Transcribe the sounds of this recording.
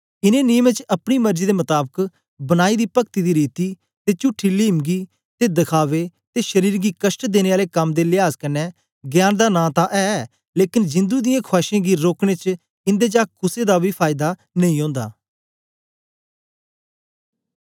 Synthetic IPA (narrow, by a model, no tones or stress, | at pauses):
ɪnẽːniːmẽt͡ʃɐpɽiːməɾd͡ʒiːd̪eːmət̪aːbək | bənaːiːd̪iːpəkt̪iːd̪iːɾiːt̪iː | t̪eːt͡ʃʊʈʰːiːliːmɡiː | t̪eːd̪əkʰaːʋeːt̪eːʃəɾiːɾɡiːkəsʈd̪eːñeːaːleːkəmd̪eːlɪaːzkənːɛː | ɡjaːnd̪aːnãːt̪ãʔɛː | leːkɪnd͡ʒɪ̃nd̪uːd̪ɪjãːkʰʊaːʃẽːɡiːɾoːkɽ̃eːt͡ʃ | ɪ̃nd̪eːt͡ʃaːkʰʊseːd̪aːbʱiːpʰaːɪd̪aː | nɐĩːɦõːnd̪a̰ː